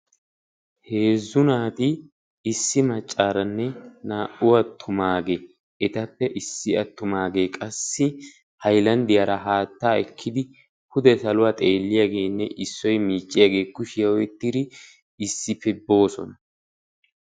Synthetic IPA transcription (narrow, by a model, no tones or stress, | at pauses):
heːzːʊnaːt̪ɪ | ɪsːɪmɐt͡ʃʼːaːɾɐnːɛnaːʔʊwɐt̪ʰːʊmaːɡeː | ɛt̪ɐpːɛʔɪsːɪɐt̪ːʊmaːɡe̞ːkʼɐsːɪ | hɐjlɐnd̪ɪjaːɾɐɦaːt̪ːaːɛkʰːɪd̪ɪ | hʊd̪ɛsɐlʊwaːt̪ʼe̞ːlːɪjaːɡe̞ːnːɛʔɪsːɔjmiːt͡ʃʼːɪjaːɡe̞ːkːʊʃɪjwɔjt̪ːɪd̪ɪ | ɪsːɪpɛbːo̞ːsɔ̰nɐ